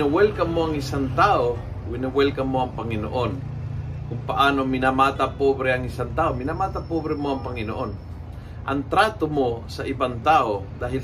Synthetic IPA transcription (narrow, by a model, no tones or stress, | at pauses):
awɛlkɐmoɐŋɪsant̪ao | wɪnawɛlkɐmoɐŋpɐŋɪno̰ʔon | kʊŋpaʔaːnomɪnamat̪apobɾɛaŋɪsant̪aomɪnamat̪apobɾɛmoɐŋpɐŋɪnoʔon | ʔɐŋt̪ɾat̪omosaʔɪbant̪aod̪aːɦɪl